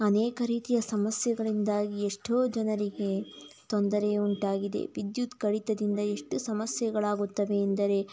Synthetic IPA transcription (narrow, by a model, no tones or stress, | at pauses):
ɐnɛːkɐɾiːt̪ijɐsɐmɐsjɐɡɐɭind̪aːɡieʂʈoːd͡ʒɐnɐɾiɡe̞t̪ond̪ɐɾeuɳʈaːɡid̪ḛʋid̪jut̪kɐɽit̪ɐd̪ind̪ɐe̞ʂʈusɐmɐsjɐɡɐɭaːɡut̪ːɐʋe̞ːnd̪ɐɾe̞